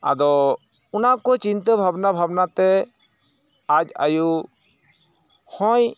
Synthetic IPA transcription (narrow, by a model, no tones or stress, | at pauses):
a̰d̪ɔ | unakɔt͡ʃint̪əbʱabnabʱabnat̪ɛ | ac̚a̰ju | hɔ̃j